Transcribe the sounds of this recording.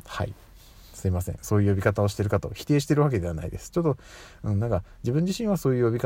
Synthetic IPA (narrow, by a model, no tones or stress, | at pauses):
ha̰ḭ | sɨimasẽ̞̰ɰ̃so̞ːjɯːjo̞bʲikat̪ao̞ɕit̪e̞ɾɯ̟kat̪o̞çi̥t̪e̞ːɕi̥t̪e̞ɾɯ̟βak̬e̞d̪e̞ana̰ḭd̪e̞sɨ̥t͡ɕo̞t̪ːo̞ | ɯ̟̃nãŋkad͡ʑibɯ̟̃ɲd͡ʑiɕĩɰ̃βaso̞ːjɯ̟ːjobʲika